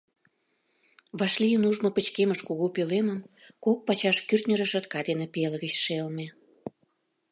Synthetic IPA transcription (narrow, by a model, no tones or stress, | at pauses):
βɑʃlijənuʒmɤ̆pə̆t͡ɕkeməʃkuɣopøleməm | kok̚pɑt͡ɕɑʃkyrt̪nʲə̆ɾə̆ʃə̆t̪kɑd̪enepeləɣət͡ɕʃelme